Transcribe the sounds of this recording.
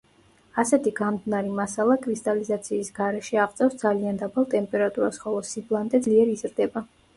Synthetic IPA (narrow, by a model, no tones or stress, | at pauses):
asɛt̪ʰiɡamd̪naɾimasalˠakʼɾist̪ʼalizat̪sʰiːsɡ̥aɾɛʃɛaʁt̪sʼɛfsd̪zaliand̪abalˠt̪ʼɛmpʼɛɾat̪ʼuɾasχɔlˠɔsiblˠand̪ʼɛd̪zliɛɾiizɾd̪ɛba